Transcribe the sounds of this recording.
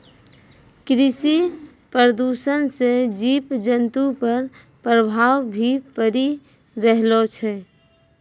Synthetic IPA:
kɾisi | pəɾəd̪uːʃənsed͡ʒiːpd͡ʒənt̪upəɾ | pɾəbʱaːwbʱipəɾi | ɾəɦlot͡ʃʰɛ

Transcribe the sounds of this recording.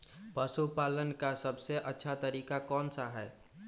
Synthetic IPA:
pəsupalənkasəbʱseʔətːʃʰat̪əɾiːkakɔːnsaɦɛː

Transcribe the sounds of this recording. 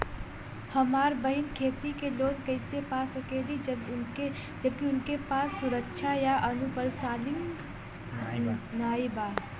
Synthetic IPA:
həmaːɾbəɪnkʰeːt̪ikeloːnkəɪsepasəkelid͡ʒe | d͡ʒəb̚kiʊnkepaːsːʊɾəkʃʰajaʔənupəɾsaːlɪŋɡ | naːiba

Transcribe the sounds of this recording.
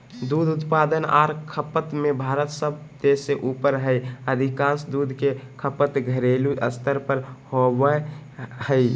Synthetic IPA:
d̪ud̪ʱut̪pad̪əna̰ɾkʰəpət̪mebʱaɾət̪səb̚ʱt̪eseʔupəɾɦəjəd̪ʱikãnsd̪ud̪ʱkekʰəpət̪ɡʱəɾeluʔə̰st̪ʰəɾpəɾhobəhəɪ

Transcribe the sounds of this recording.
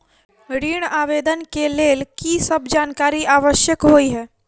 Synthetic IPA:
ɾiːɽ̃aːʋeːd̪ənkeleːlkisəbd͡ʒaːnkaːɾiʔaːʋəʃjəkɦoiɦɛː

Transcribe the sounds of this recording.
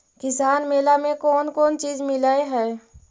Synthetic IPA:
kɪsaːnmeːlamẽkɔːnkɔːnt͡ʃiːd͡ʒmɪlaeɦɛː

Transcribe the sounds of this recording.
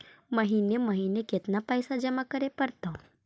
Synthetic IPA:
məɦineməɦineket̪napəjsad͡ʒəmakəɾepəɾt̪o

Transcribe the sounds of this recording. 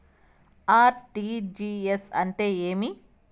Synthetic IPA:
aːʈid͡ʒiesɐ̰ɳʈe̞ːeːmi

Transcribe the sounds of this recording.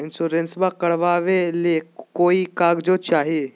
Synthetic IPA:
ɪnsoɾẽnsbakɐɽʋaːʋelekoːikaːɡd͡ʒoːt͡ʃaːɦieː

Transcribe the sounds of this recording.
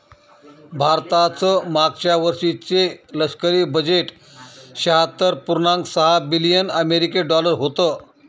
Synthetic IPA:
bʱaɾt̪at͡səmaɡt͡ɕaʋəɾʂit͡seləʂkəɾiːbəd͡ʑeʈ | ɕaɦat̪əɾpuɾnãŋksəɦabilijənəmeɾikeɖɔləɾɦot̪ə

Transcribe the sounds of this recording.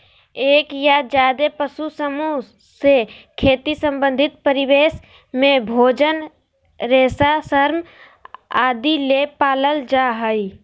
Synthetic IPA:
eːkjad͡ʒjaːd̪epəsusəmu | sekʰeːt̪isə̃mbə̃nd̪ʱɪt̪̚pəɾɪweːs | mẽbʱoːd͡ʒən | ɾeːsasəɾm | aːd̪ilepaːləld͡ʒaɦəi

